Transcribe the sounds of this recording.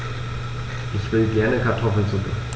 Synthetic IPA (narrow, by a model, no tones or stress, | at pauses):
ʔɪçv̥ɪlɡɛɐnəkʰaɐtʰɔfl̩t͡subə̰